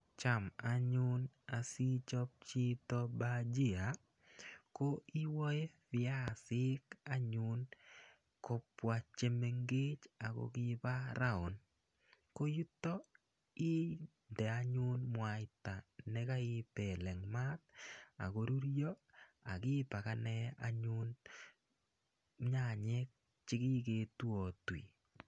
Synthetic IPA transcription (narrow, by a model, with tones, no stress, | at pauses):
t͡ʃa˨ma˦ɲʊ˦na˨si˦t͡ʃɔ˦p̚t͡ʃɪ˦tɔ˦bad͡ʒi˦a˨ | ko˦i˦wɔ˦je˦fɪa˦˨sɪ˦ka˦ɲʊ˨n | kɔ˦pwa˨t͡ʃe˦me˨ŋɡe˦t͡ʃa˨ɡo̰˨ɡɪ˦ba˦ɾa˦ɔ˨n | ko˦ju˦tɔ˦ | i˦ | ndɛ˨a˦ɲu˦nmwaɪta˨nɛ˦ka˦ɪ˦pɛlɛ˨ŋma˦t̚a̰˨ko˨ɾu˦ɾjɔ˦a̰˨kɪ˦pa˨kanɛ˦a̰˦ɲu˦n | ɲa˨ɲɛk̚ | t͡ʃɪ˦ki˦ke˨twɔ˨twḭ˨